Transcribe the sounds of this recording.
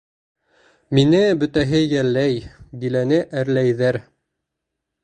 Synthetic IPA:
minɘbɵ̆t̪æɦɘjæɾlːæjbilænɘʔæɾlæjðæɾ

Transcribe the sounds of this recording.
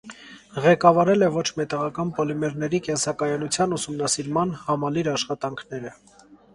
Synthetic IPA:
ʁɛkɑvɑɾɛlɛvɔt͡ʃʰmɛt̪ɑʁɑkɑnpɔlimɛɾnɛɾikɛnsɑkɑjɑnut͡sʰjɑnusumnɑsiɾmɑnhɑmɑliɾɑʃχɑt̪ɑŋkʰnɛɾə

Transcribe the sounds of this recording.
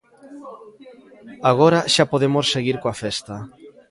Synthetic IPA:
aɣ̞oɾaʃapoðemosːeɣiɾkoafest̪a

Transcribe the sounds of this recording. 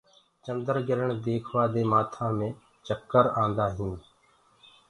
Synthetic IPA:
t͡ʃənd̪əɾɡɪɾəɳd̪eːkʰʋaːd̪eːmaːt̪ʰãːmẽː | t͡ʃəkːəɾãːnd̪aːɦĩː

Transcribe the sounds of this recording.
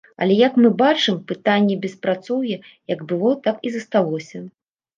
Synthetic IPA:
ɐ̰lʲɛjɐkmɨbat͡ʂɨmpɨt̪anʲːɛbʲɛspɾat̪sɔwjɛjɐɡbɨlˠɔt̪akizɐst̪alˠɔsʲɐ

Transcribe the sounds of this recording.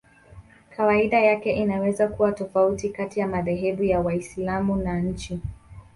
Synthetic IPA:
kʰawaiɗajakɛʔinawɛzakuwatɔfautikatijamaðɛɦɛɓujawaislamunaɲ̩t͡ʃi

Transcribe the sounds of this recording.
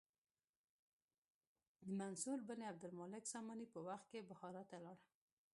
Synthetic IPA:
d̪əmansuɾbəneab̚d̪ʊlmɑlɪksɑmɑnipəwaxt̪̚kebʊxɑɾɑt̪alɑɽa

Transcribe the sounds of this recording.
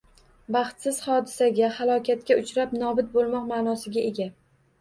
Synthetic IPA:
bɑχt̪sɪz̥χɒd̪ɪsaɡʲahalˠɒkʲʰat̪̚kʲaʊt͡ʃɾapnɒbɪt̪̚bolˠmɒqmaːnɒsɪɡʲaʔe̞ɡʲa

